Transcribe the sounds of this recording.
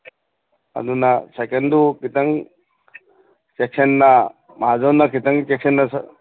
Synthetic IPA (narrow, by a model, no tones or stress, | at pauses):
a̰d̪unasɛkendukit̪aŋ | sek̚senːa | maɦazawnakitaŋt͡ʃeksenːas